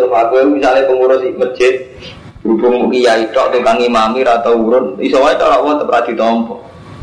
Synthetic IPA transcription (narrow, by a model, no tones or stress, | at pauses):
əfaɡunmisalepəmuɾʊsiməd̥ʒ̥ɪt̪̚ | b̥ɾubʊŋmukijaiʈɔʔt̪uŋkaŋimamiɾat̪awuɾʊnḭsɔwait͡ʃɔ̰lɔʔwɔt̪əpɾad̪̥i̤t̪ɔmpɔʔ